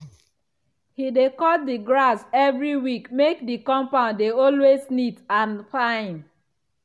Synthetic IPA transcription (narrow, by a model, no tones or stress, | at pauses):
hidekɔdiɡɹasɛvɹiwikmekdikɔ̃mpãndeɔlweznitãnfãɪ̃n